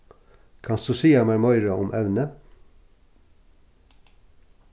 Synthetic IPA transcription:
kʰɑnst̪uːsiːɑmæɾmɔʏɾəʊmʔɛʋnə

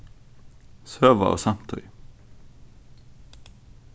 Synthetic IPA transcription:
søːʋɑ̰ʔo̰ːsɑmt̪ʰœ̰ʏ

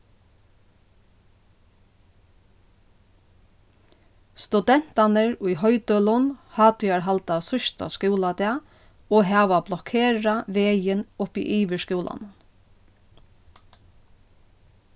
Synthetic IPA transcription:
st̪ʉd̪ɛn̥t̪anəɹʊjɦœʏt̪œlʊnhaːt̪ʏjaɹɦalt̪asʊʃt̪a̰skuːlad̪ɛa | ɔːɦɑːʋablɔkʰeːɹaʋeːjɪnʊpḭʔiːʋəʂkuːlʔa̰nʊn

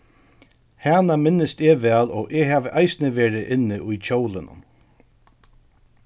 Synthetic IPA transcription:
haːnamɪnːɪst̪ɛːʋɛːlɔːʔɛːɦaːʋəʔajsnɪʋeːɹɪʔɪnːɪʔʊjt͡ɕoːwlɪnʊ̰n

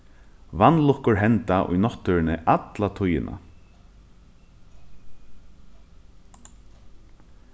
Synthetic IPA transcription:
ʋanːlʊhkʊɹɦɛnt̪aʔʊ̰jnɔt̪ːœɹɪnɪʔat̪lat̪ʰʊjɪ̰nʔa̰

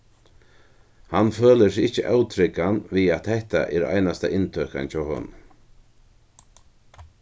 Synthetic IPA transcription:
hanføːləsɪht͡ʃəʔawt̪ʰɾɪkanviat̪hɛht̪a̰ʔɛɾa̰jnast̪a̰ʔɪnt̪ʰœːhka̰nt͡ʃʰawhœ̰ːn

